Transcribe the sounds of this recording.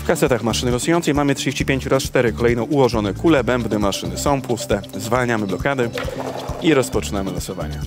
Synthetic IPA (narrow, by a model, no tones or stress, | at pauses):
fkasɛt̪axmaʂɘnɘlɔsujɔnt̪sɛjmamɘt̪ʂɨd͡ʑeɕt͡ɕipʲeɲt͡ɕɔɾast͡ʂt̪ɛɾɘkɔlɛjnɔ̃w̃ʔuwɔʐɔnɛkulɛbɛmbnɘmaʂɘnɘsɔ̃w̃pust̪ɛzvalɲamɘblɔkad̪ɘ | iɾɔspɔt͡ʂɘnamɘlɔsɔva̰ɲa